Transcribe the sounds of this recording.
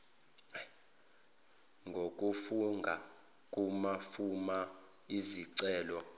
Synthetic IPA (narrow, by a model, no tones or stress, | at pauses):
ŋɡʱok̬ʼufuŋɡʱa | kʼumafuma | iziǀɛːlɔ